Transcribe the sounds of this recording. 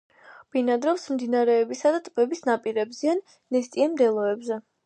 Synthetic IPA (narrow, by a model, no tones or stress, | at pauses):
b̥inad̪ɾɔfsmd̪inaɾɛːbisad̪at̪ʼbɛbisnapʼiɾɛbzianː | ɛst̪ʼiɛmd̪ɛlˠɔɛbzɛ